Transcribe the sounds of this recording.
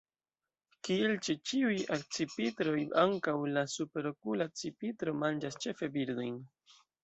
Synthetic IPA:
kielt͡ʃet͡ʃiujak̚t͡sipitɾo̞jaŋkawlasupe̞ɾo̞kulat͡sipitɾo̞mand͡ʒast͡ʃe̞fe̞biɾd̪o̞jn

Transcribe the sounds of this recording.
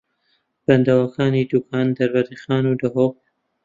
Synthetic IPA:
b̥and̪awakɑːnid̪ukʰɑnd̪aɾbaɾixɑːnud̪aɦoq̚

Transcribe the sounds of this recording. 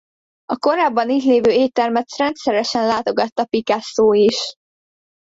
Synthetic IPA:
ɒko̞ɾaːbːɒniːt̪leːvøːeːt̪ɛrmɛt̪rɛnt̪sɛɾɛʃɛnlaːt̪o̞ɡɒt̪ːɒpikasoːiʃ

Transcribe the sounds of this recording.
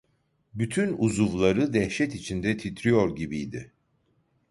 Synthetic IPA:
byt̪ʰynuzuvlˠaɾɯd̪ɛhʃɛt̪it͡ʃʰind̪ɛt̪ʰit̪ʰɾijo̞ɾɟibijd̪ɪ

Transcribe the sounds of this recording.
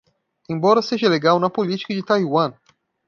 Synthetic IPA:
ẽj̃bɔɾɐseʒɐleɡawnɐpolit͡ʃi̥kɐd͡ʒɪt̪ajwɐ̃

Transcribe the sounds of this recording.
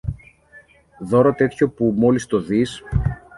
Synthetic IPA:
ðo̞ɾot̪e̞t̪ço̞pumo̞list̪o̞ðis

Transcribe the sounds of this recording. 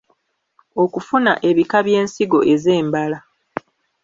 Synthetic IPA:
o̞kufunaʔe̞βikaβje̞ːnsiɡo̞ʔe̞ze̞ːmbala

